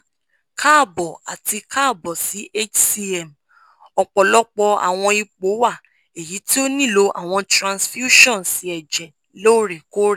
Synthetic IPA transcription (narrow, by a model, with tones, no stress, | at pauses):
kʰa˦˨bɔ˨a̰˨ti˧kaː˦˨bɔ˨si˨˦ʔe˦t͡ʃsi˧ɛ˦˨m | ɔ˧k͡pɔ˨lɔ˦k͡pɔ˧a̰˨w̃ɔ̃˧i˧k͡po˨˦wa˦˨ | e˨ji˨˦ti˦o˦nĩ˦˨lo˧ʔa̰˨w̃ɔ̃˧tɾã˧nsfju˦ʃɔ̃˦˨n˨si˨˧˦ɛ˨d͡ʒɛ˨ | lo˦˨ɾe˨ko˦ɾe˦˨